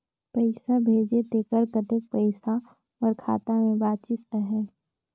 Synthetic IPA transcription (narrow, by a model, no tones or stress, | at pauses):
pəɪsabʱeːd͡ʒet̪ekəɾkət̪ek̚pəɪsa | ɔɾkʰa̰ːt̪amẽbaːt͡ʃɪsəɦɛ